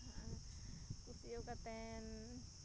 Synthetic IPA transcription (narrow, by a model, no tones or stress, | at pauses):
kusiokat̪ɛn